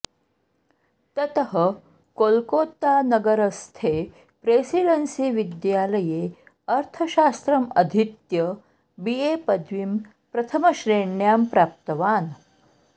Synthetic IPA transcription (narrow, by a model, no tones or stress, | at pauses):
t̪ɐt̪əɦə | kolkot̪anəɡəɾəst̪ʰe | pɾesiɽənsiːʋid̪jaləje | əɾt̪ʰəɕast̪ɾəməd̪ʱit̪jə | bijepəd̪ʱʋim | pɾɐt̪ʰəməɕɾeɳjampɾap̚t̪əʋaːn